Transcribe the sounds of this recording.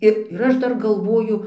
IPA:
ˈɪr ɪr ˈɐʃ ˈdɐr ɡɐlˠˈʋoːjʊ

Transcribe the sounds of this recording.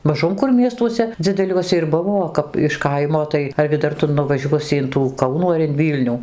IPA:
mɐˈʒʊm kʊr ˈmʲiɛstuɔsʲɛ d͡zʲɪdʲɛˈlʲuɔsʲɛ ɪr ˈbʊʋoː oː ˈkɐp ɪʃ ˈkɐɪmoː tɐɪ ɐrʲɡʲɪ ˈdɐr ˈtʊ nʊʋɐˈʒʲuɔsʲɪ ɪn tuː ˈkɐʊnuː ɐr ɪn ˈʋʲiːlʲnʲuː

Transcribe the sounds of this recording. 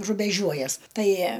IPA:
rʊbʲɛˈʒʲuɔjɛs ˈtɐɪ

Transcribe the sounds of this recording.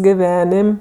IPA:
ɡʲɪˈʋʲæːnʲɪmʲ

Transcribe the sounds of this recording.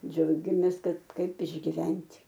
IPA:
ˈd͡ʒʲɛʊɡʲɛmʲeːs ˈkɐt ˈkɐɪp ɪʒʲɡʲɪˈʋʲɛnʲtʲ

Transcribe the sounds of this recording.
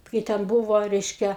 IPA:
kɐɪ tʲɛn ˈbʊʋoː ˈrʲɛɪʃʲkʲɛ

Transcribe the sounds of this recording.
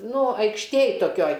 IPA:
ˈnʊ ɐɪkʃʲˈtʲeːj toːˈkʲoːj

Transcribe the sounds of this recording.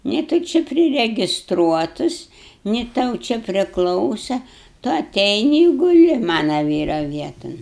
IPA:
nʲɪ tʊ ˈt͡ʃʲɪ pʲrʲɪrʲɛɡʲɪsˈtruɔtʊs nʲɪ ˈtɐʊ t͡ʃʲɛ pʲrʲɪˈklˠɐʊsɐ tʊ ɐˈtʲɛɪnʲɪ ɪ ɡʊˈlʲɪ ˈmɑːnɐ ˈʋʲiːrɐ ˈʋʲiɛtoːn

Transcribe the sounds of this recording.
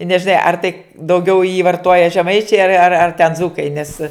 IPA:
ɪ nʲɛʒʲɪˈnɐɪ ɐr tɐɪ dɐʊˈɡʲɛʊ jiː ʋɐrˈtoːjɛ ʒʲɛˈmɐɪt͡ʃʲɛɪ ɐr ɐr ɐr tʲɛn ˈd͡zuːkɐɪ nʲɛs

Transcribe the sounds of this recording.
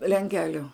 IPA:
lʲɛŋʲˈkʲæːlʲʊ

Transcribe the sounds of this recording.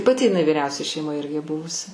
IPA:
pɐˈtʲɪ ɪˈnɐɪ ʋʲɪˈrʲɛʊsʲɛ ʃʲɛɪˈmoːj ˈɪrʲɡʲɪ ˈbʊʋʊs

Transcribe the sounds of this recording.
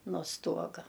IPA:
noː ˈstuɔɡɐ

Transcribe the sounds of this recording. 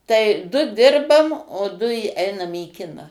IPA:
tɐɪ dʊ ˈdʲɪrbɐm oː ˈdʊ ɪ ˈɛɪnɐm iː ˈkʲɪnɑː

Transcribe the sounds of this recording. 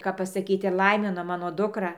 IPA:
kɐp pɐsɐˈkʲiːt ɪr ˈlˠɐɪmʲɪnoː ˈmɑːnoː ˈdʊkrɐ

